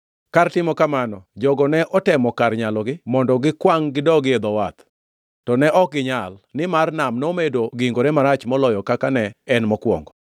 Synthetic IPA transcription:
kartɪmɔkamanɔd͡ʒɔɡɔnɛʔɔtɛmɔkarɲalɔɡɪmɔndɔɡɪkwaŋɡɪdɔɡɪed̪ɔwat̪ | tɔnɛʔɔk̚ɡɪɲalnɪmarnamnomedoɡiŋɡoɾɛmaɾat͡ʃmɔlɔjɔkakanɛɛnmɔkwɔ̰ŋɡɔ

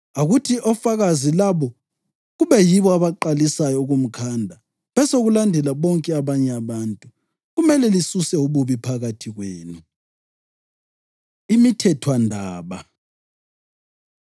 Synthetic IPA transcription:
aɣutʰiʔɔfaɣazilaβɔ | ɣuβɛjiβɔaβaǃalisajɔuɣum̩kʰandʱa | βɛsoɣulandʱɛlaβɔŋkʼɛaβaɲɛaβantʼu | ɣumɛlɛlisusɛuβuβipʰaɣatʰiɣweːnu | imitʰɛtʰwandʱaːβa

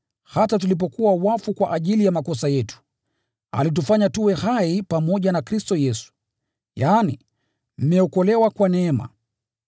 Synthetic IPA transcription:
hatatulip̬ɔkuwawafukwaʔaʄilijamakɔsajɛtu̥ | a̰lit̬ufaɲatuwɛhaipamɔʄanakɾistɔjɛsu̥ | jaːni | m̩mɛɔkɔlɛwakwanɛːma̰

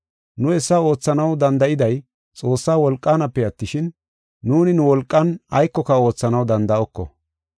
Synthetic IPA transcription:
nʊɛsːɐo̞ːt͡sːɐnɐwd̪ɐnd̪ɐʔɪd̪ɐj | t͡sʼo̞ːsːaːwɔlkʼːaːnɐpːɛɐt̪ːɪʃɪnː | uːnɪnʊwɔlkʼːɐnɐjkːɔkɐo̞ːt͡sːɐnɐwd̪ɐnd̪ɐɔkːɔ̰

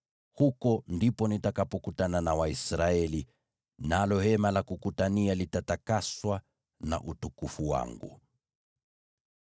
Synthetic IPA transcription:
hukɔndipɔnitakapɔkutananawaisɾaɛli | nalɔhɛmalakukutanialitatakaswa | na̰ʔutukufuwa̰ŋɡṵ

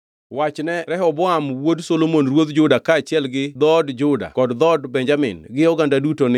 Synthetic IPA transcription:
wat͡ʃnɛɾɛɦɔbʊamwodsolomonrwod̪d͡ʒʊdakaːt͡ʃɪɛlɡɪd̪ɔdd͡ʒʊda̰kɔdd̪ɔdbɛɲd͡ʒamɪ̰nɡɪɔɡandadutonɪ

